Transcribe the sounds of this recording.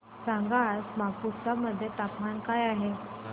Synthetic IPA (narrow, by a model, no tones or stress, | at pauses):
saŋɡasmapust̪aməd̪ʱːjet̪apmankajaɦe